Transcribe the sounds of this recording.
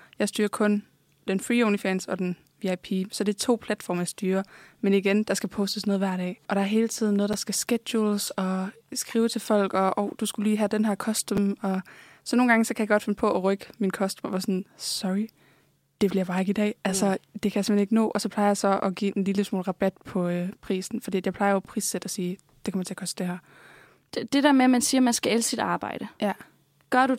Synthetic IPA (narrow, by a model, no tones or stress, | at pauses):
jɑ̈ɪsd̥yːɐkʰɔ̽n | d̥enfʁioʊnifɛnsɒ̽d̥en | ʋiɑɪpʰisɒ̽d̥e̝t͡sʰo̝̰ːpʰlæd̥fɒ̰ːmɐjɑ̈ɪsd̥yːɐmeniɡ̥end̥ɑ̈sɡ̥æpʰɔ̽ːsd̥əsnoːðˠʋæɐ̰ɾɛ̰ːʔɒ̽ɾ̥ɑ̈ɐɦe̝ːlt͡sʰið̞̰ˠn̩ːɔːðˠd̥ɑ̈sɡ̥æsɡ̥ed̥julsɒ̽ | sɡ̥ʁiːʊt͡sʰe̝lfɒ̽l̰ɡ̥ɒ̽ʔɒʊd̥usɡ̥uliːɦæd̥enɦæɐkʰɒ̽sd̥əmɒ̽ | sɒ̽no̝ːn̩ɡ̥ɑŋəsɒ̽kʰæjɑ̈ɡ̥ɒ̥̽fe̝nəpʰɒ̽ʔɒʁœɡ̥əminkʰɒ̽sd̥mʋæsɒnsɒʁi | d̥e̝ʋe̝ljɑ̈bɑ̈ːe̝ɡ̥id̥ɛ̰ːʔælsɒd̥e̝kʰæjsemeneɡənɔ̰ːʔɒsɒ̽pʰlɑ̈ɪɐjɑ̈ɪsɒ̽ʔɒ̽ɡ̥ḭːʔe̝nliləsmo̰ːlʁɑ̈b̥æd̥pʰɒ̽pʰʁḭːsn̩fɒdḭ̥ːjɑ̈pʰlɑ̈ɪɐjopʰʁḭːsːed̥ɒsiː | d̥ekʰɒmɐt͡sʰe̝ɐkʰɒ̽sd̥əd̥ehæɐ̰̥ | d̥eɾæɐmeæmænsiːɐmænsɡ̥æælsid̥ɑ̈ːb̥ɑ̰̈ɪ̰ɾ̥ə | ɡ̥ɶɐɾu